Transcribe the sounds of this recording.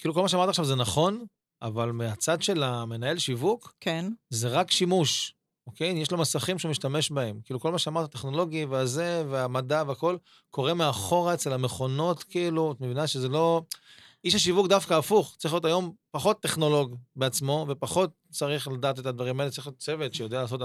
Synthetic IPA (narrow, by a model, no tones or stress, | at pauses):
kilukolmaʃeamaʁtaχʃavzenaχo̞n | ʔa̰valmeat͡sad̪ʃe̞lame̞nae̞lʃivukkenzeʁakʃimuʃ | ʔoke̞jjeʃlomasaχimʃeumiʃtame̞ʃbae̞mkiluko̞lmaʃeamaʁtat̪eχno̞lo̞ɡjiveazeveamadaveako̞l | kʰo̞ʁe̞meaχo̞ʁaet͡se̞lameχo̞no̞t̪kiiːluot̪mevinaʃezelo̞ | iʃhaʃ̬ivuk̚d̪afkaːfuχt͡sḁʁiχljotajo̞mpaχo̞t̪ːeχno̞lo̞ɡbeat͡smo̞ve̞paχo̞t̚t͡saʁiχlad̪aːt̪̬et̪ad̪vaʁimaelt͡saʁixijot̪̚t͡se̞vet̪ʃejo̞dealaːso̞t